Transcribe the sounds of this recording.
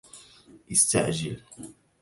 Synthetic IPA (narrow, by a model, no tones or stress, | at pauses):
ʔɪst̪a̰ʕd͡ʒɪl